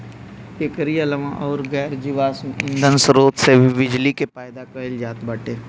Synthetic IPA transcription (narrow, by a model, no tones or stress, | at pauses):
ekəɾijalɐmãʔɔːɾɡɛːɾd͡ʒiʋaːsɪ̃nd̪ʱənsɾoːt̪seʋɪd͡ʒlikepaːjd̪akɐɪld͡ʒaːt̪bɐʈeː